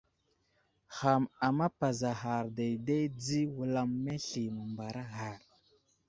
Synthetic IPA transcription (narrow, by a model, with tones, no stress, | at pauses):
xa˨ma˨ma˦pa˨za˨ɦa˨ɾda˨jde˦jd͡zi˦wu˨la˨mːe˦ɬi˨mə˨mba˨ɾa˦ɣa˨ɾ